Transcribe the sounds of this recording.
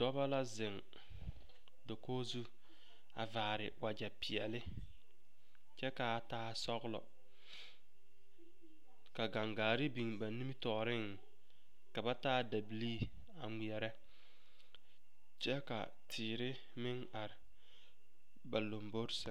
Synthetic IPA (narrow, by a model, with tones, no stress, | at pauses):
dɔ˦ba˦la˦zɪ˨ŋ | do˨koː˦zu˦ | a̰˨vaː˨ɾɪ˨wa˨d͡ʒa˨pɪ˨ɛ˨lɪ˦ | t͡ʃɛ˦ka˨taː˦sɔ˦ɣlɔ̰˨ | ka˨ɡa˨ŋɡaː˨ɾɪ˦bi˨ŋba˨ni˦mi˦tɔ˨ɾɪ˦ŋ | ka˨ba˦taː˦da˨bi˨liː˦ | a˨ŋi˨ɛ˨ɾɛ˦ | t͡ʃɛ˦ka̰˨ | tʰɪː˨ɾɪ˦ | mɪ˦ŋ | a˨ɾɪ˨ | ba˨lo˨mbo˦ɾsɪ˨˦